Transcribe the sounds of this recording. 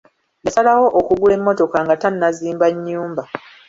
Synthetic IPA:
jasalawo̞ʔokuɡule̞mːo̞to̞kaŋɡatanːaziːmbaɲːuːmba

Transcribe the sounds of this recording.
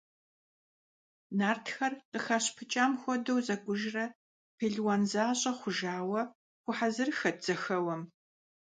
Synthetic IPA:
naːrtʰxɐrqʼəxaɕpʰɨt͡ʃʼaːmxʷɔdɐwzɐɡʷʊʒrɐ | pʰeɮwaːnzaːɕʼɐχʷʊʒaːwɐ | xʷʊħazɨrxɐd͡z̥ɐxɐwɐm

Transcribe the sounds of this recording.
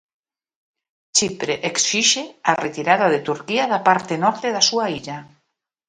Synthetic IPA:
t͡ʃipɾeʔeksiʃearet̪iɾaðaðet̪uɾkiaðapaɾt̪enɔɾt̪eðasuaiʎa

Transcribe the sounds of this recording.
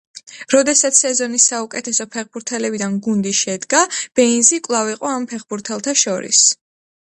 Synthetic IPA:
ɾɔd̪ɛsat̪sʰsɛzɔnisːaukʼɛt̪ʰɛsɔpʰɛχbuɾt̪ʰɛlɛbid̪anɡund̪iʃɛd̪ɡab̥ɛinzikʼlˠaviqʼɔampʰɛχbuɾt̪ʰɛlˠt̪ʰaʃɔɾḭs

